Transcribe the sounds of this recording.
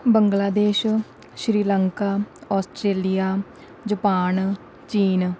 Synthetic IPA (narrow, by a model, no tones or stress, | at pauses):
bəŋɡlaːd̪eːʃ | ʃɾiːləŋkaːɔːsʈɾeːlijaː | d͡ʒəpaːn | t͡ʃiːn